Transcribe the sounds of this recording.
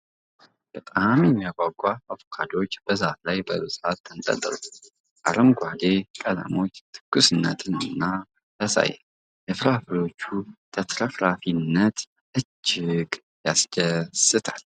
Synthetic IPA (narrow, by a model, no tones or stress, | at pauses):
b̥ət̪ʼamjɛmːijaɡʷʼaɡʷʼaafokʰad̪o̞t͡ʃːb̥əzat̪lajbəβɨsʼat̪ːɨnt̪ʼə̰t̪ʼːɨɾu | ʔa̰ɾəmɡʷad̪e̞kʼəla̰mo̞t͡ʃːt̪ʰɨ̥kːusɨnːə̰t̪ʰɨnɨnːa | t̪ʰəsa̰jɛ̰ | jɛfɨɾafɨlo̞t͡ʃːut̪ʰət̪ɾəfɾafinːət̪ | ʔɨd͡ʒːɪɡ | jasd͡ʒəsɨt̪ʰal